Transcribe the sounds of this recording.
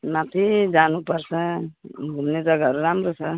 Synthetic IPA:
mãt̪ʰid͡ʒanupəɾsə̃ | ɡʱumned͡zəɡaɦəɾuɾamɾosʰə

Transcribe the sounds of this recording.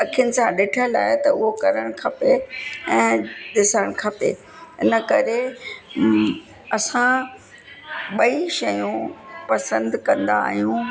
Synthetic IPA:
ɐkʰijʊnɪ̆sãɗɪʈʰəla̰ːɪt̪ɐʊɦokɐɾəɽ̃kʰɐpeɛ̃ːɗɪsəɽ̃kʰɐpḛ | ɪnəkɐɾe | ɐsã | ɓɐiʃɐjũpɐsə̃nd̪kɐ̃nd̪aːɦijũ

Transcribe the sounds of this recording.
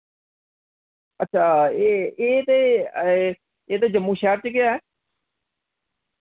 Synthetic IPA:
ətːʃʰaːeːeːt̪eː | eːt̪eːd͡ʒəmːũːʃɛːɾt͡ʃəkɪjaːɛː

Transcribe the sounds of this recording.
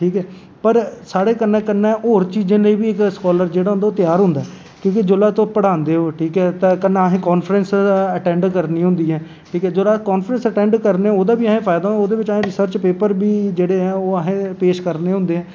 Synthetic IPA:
ʈʰiːkɛː | pəɾsaːɽeːkənːɛ̃ːkənːɛ̃ːʔoːɾt͡ʃiːd͡ʒẽːleiːbiːɪkskɔːləɾd͡ʒeːɽaːɦʊ̃nd̪aːoːt̪ɪjaːɾɦʊ̃nd̪aɛː | kjõːkɪd͡ʒʊlaːt̪õːpəɽaːnd̪eːɦoːʈʰiːkɛːt̪ɛ̃ːkənːaɦẽːkɔːnfɾənsəʈɛ̃ːɳɖkəɾnĩːɦʊ̃nd̪iːɦɛ̃ː | ʈʰiːkɛːd͡ʒoːlaːkɔːnfɾənsəʈɛ̃ːɳɖkəɾneːɛ̃oːd̪aːbiːəːɦẽːpʰaːɪd̪aːɦ̪oːd̪eːbɪt͡ʃaːẽːɾɪsəɾt͡ʃpeːpəɾbiːd͡ʒeːɽeːɛ̃ːoːəɦẽːpeːʃkəɾneːɦʊ̃nd̪eːɛ̃ː

